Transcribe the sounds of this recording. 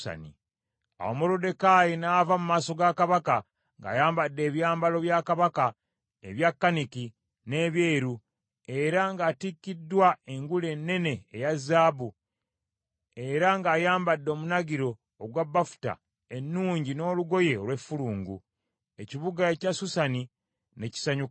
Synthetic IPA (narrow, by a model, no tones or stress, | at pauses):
a̰nḭ | a̰womo̞ɾode̞kajinaːvamumaːso̞ɡakaβaka | ŋɡa̰ːjaːmbadːe̞ːβjaːmbalo̞βjakaβaka | ḛβjakːaniki | ne̞ːβjeːɾu | e̞ɾaŋɡaːtikːidːwae̞ŋɡule̞nːe̞ne̞ːjazːaːbu | e̞ɾaŋɡaːjaːmbadːo̞ːmunaɡiɾo̞ː | ɡwabːafu̥ta̰ | e̞nːuːɲɟino̞ːluɡo̞je̞olwe̞fːuluːŋɡṵ | e̞ciβuɡaecasusani | ne̞ci̥saɲuka